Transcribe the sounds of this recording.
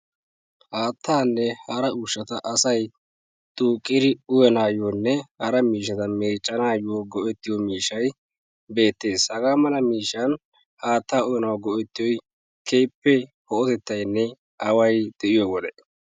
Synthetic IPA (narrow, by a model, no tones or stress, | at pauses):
haːt̪ːaːnːɛhɐɾɐʊʃːɐt̪ɐʔɐsɐj | t̪ʼuːkʼːɪɾɪʊjɛnaːjonːɛhɐɾɐmiːʃ̬ːɐt̪ɐmeːt͡ʃʼːɐnaːjoɡɔʔɛt̪ːɪjɔmiːʃɐj | be̞ːt̪ːe̞ːshɐɡaːmɐlɐmiːʃːɐn | haːt̪ːaːʊjɛnɐwɡɔʔɛt̪ːɪjɔj | kʰeːpːɛ | hɔɔt̪ɛt̪ːɐjnːɛ | ɐwɐjd̪̥ɛʔɪjɔwɔd̪ɛ